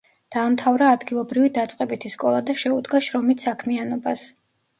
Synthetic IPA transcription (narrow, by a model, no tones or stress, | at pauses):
d̪̥aːmt̪ʰavɾaːd̪ɡilˠɔbɾivid̪at̪sʼqʼɛbit̪ʰiskʼɔlˠad̪aʃɛud̪ɡaʃɾɔmit̪ʰsakʰmianɔbas